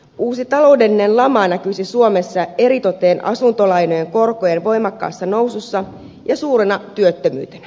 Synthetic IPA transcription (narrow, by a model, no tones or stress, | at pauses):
uːsit̪ɑlo̞ude̞lːine̞nlɑmɑnækysisuome̞sːɑe̞ɾit̪o̞t̪eːnʔɑ̰sunt̪o̞lɑjno̞je̞ŋko̞rkojenʋo̞jmɑkːɑ̰ːsːɑno̞wsusːɑ | jɑsuːɾenɑt̪yøt̪ːømy̰ːt̪enæ̥